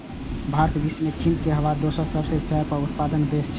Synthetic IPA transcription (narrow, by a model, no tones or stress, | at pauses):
bʱaɾt̪ʰbismet͡ʃʰĩnt̪keɦəʋad̪osəɾsəbsesəɾpəɾut̪pad̪ənb̪est͡ʃʰ